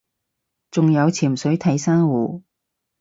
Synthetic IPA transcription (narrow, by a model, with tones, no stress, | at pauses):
t͡sʊ˨ŋjɐ˨˧wt͡sʰiː˨˩msɵ˨˥ɥt̪ʰɐ˨˥jsaː˥ŋwuː˨˩